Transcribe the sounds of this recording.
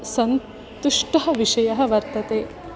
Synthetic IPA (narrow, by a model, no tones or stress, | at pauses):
sɐn | t̪uʂʈɐɦɐ̆ʋiʂɐjɐɦɐ̆ʋɐɾt̪ɐt̪eː